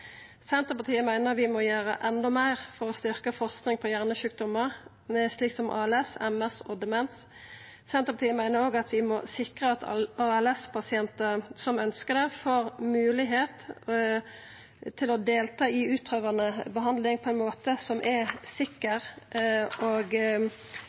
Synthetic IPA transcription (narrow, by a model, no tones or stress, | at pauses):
sɛnt̪ʁəpɑt̪ʰiːəmæɪnəʋɪmɔjæːɾə̰ʔɛnd̪ɔmæɪʁfɔɾɔst̪ʏʁkəfɔʁsknɪŋpʰɔjæʁnəʃʉːk̚d̪ɔməʁ | sliːksɔmʔɑ̰ːɛlɛsɛmɛsɔd̪ɛmɛns | sɛnt̪ʁəpʰɑt̪iːəmæɪnəɾoːɡɑt̪ʰʋɪmɔsɪkʁəɑt̪ʰɑɛlɛspʰɑsɪɛnt̪əsɔmœnskəd̪ɛfoːɾmʉːlɪɦeːt̪ | t̪ʰɪlɔd̪eːlt̪ʰɑːɪʉːt̪̚pʰʁøːʋɑnəbəɦɑnd̪lɪŋpʰɔɛɪnmoːt̪əsɔmʔɛsɪkːəʁ | oɡ